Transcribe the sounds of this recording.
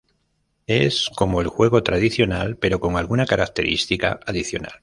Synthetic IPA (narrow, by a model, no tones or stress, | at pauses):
e̞sko̞moelxwe̞ɣ̞o̞t̪ɾað̞iθjo̞nalpe̞ɾo̞ko̞ŋalɣunakaɾak̚t̪e̞ɾist̪ika̰aðiθjo̞̰na̰l